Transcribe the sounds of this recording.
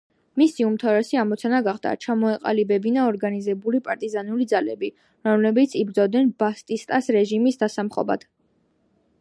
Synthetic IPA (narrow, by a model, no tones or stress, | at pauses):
misiumt̪ʰavɾɛsiamɔt̪sʰanaɡaχd̪a̰t͡ʃʰamɔɛqʼa̰libɛbinaɔɾɡanizɛbulipʼaɾt̪ʼizanulid̪zalɛbi | ɾɔmlɛbit̪sʰibɾd̪zɔvd̪nɛnbast̪ʼist̪ʼasɾɛʒimisd̪asamχɔ̰ba̰d̪̥